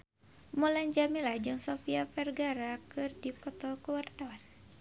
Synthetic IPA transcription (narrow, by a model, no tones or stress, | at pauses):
muland͡ʒaminlahd͡ʒɨŋsofiafɛrɡaɾakɨrdipɔt̪ɔkəwart̪awan